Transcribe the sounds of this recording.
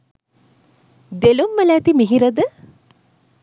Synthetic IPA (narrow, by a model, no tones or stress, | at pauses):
d̪elumːɐlæːt̪imiɦiɾɐd̪ə